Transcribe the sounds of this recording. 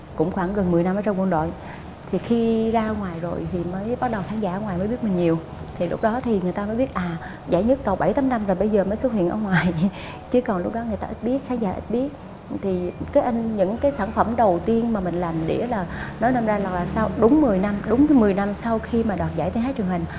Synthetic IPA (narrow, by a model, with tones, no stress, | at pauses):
kʊ̰˧˥ŋ͡mxwaː˧˩ŋɣə˨˩nmɨ˨˩əjna˧mʔəː˧t͡ɕɔ˧ŋ͡mkwə˧nɗo̰˧˨j | t̪ʰi˨˩xi˧zaː˧ʔə˧wŋwaː˨˩jzo˨˩jt̪ʰi˨˩məː˨˦jɓaː˦˥t̚ɗə˨˩wxʰaː˨˦ŋzaː˧˥ʔːwŋaː˨˩jmə˨˦ɓi˦˥t̚mï˨˩ŋ̟ɲi˨˩əw | t̪ʰi˨˩lʊ˦˥k͡p̚ɗɔ˨˦t̪ʰi˨˩ŋɨ˨˩əjt̪aː˧məː˨˦jɓi˦˥ət̚ʔaː˨˩ | za̰ː˧˩jɲɨ˦˥t̚ɗ̪o˨˩ɓa˧˩jt̪aː˨˦mna˧mzaː˨˩jɓə˧jzəː˨˩məː˨˦swə˦˥t̚hḭ˧˨ənʔə̰˧ŋwaː˨˩j | t͡ɕɨ˨˦kɔ˨˩nlʊ˦˥k͡p̚ɗɔ˨˦ŋɨ˨˩əjt̪aː˧ʔi˦˥t̚ɓi˦˥ət̚xaː˨˦ŋzaː˧˩ʔḭ˦˥t̚ɓi˦˥ət̚ | t̪ʰi˨˩kaː˨˦jʔa˧ŋɲɨ̰˧˥ŋkaː˨˦jsaː˧˩nfə˧˩mɗə˨˩wt̪i˧ənmaː˨˩mï˨˩ŋ̟la˨˩jŋɗḛ˧˩laː˨˩nɔ˨˦jna˧mzaː˧la˨˩k̚laː˨˩sa˧wɗʊ˨˦ŋ͡mmɨ˨˩əjna˧mɗʊ˨˦ŋ͡mmɨ˨˩əjna˧msa˧wxi˧maː˨˩ɗwaː˨˩t̚zaː˧˩t̪nɦaː˨˦jt͡ɕɨ˨˩əŋhï˨˩ŋ̟